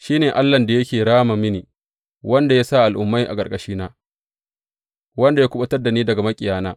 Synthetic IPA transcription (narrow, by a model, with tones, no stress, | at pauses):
ʃiː˦neː˨ʔa˦lːɐ˨nda˨jɐ˦kʲeː˨ɽaː˦ma˨mɪ˦niː˨ | wɐ˦nda˨ja˦sa˦˨ʔa˨lʔʊ˨mːa˦jʔa̰˨kʼɐ˨kʼɐ˨ʃiː˦naː˦ | wɐ˦nda˨jaː˦kʷʊ˦ɓɐ˦tɐ˦rda˨niː˦dɐ˨ɡa˨mɐ˦kʲʼɪ˨jaː˦naː˦